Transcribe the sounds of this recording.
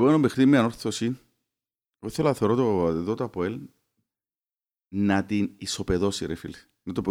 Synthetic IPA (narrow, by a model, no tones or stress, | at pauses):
wonomexɾimːeanoɾθosin | oθelaθoɾot̪oðot̪apoel | nat̪inisopeðosiɾefil | nɐt̪opo